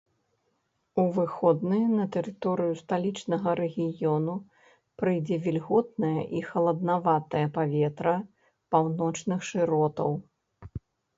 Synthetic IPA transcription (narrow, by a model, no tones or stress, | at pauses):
uvɨxɔd̪̚nɨjnɐt̪ɛɾɨt̪ɔɾɨjust̪alʲit͡ʂnɐɣɐɾɛɣʲijɔnu | pɾɨjd͡zʲɛvʲilʲɣɔt̪̚nɐjɐ̰ʔixɐlˠɐd̪̚navat̪ɐjɐpavʲɛt̪ɾɐ | pawnɔt͡ʂnɨxʂɨɾɔt̪ɐw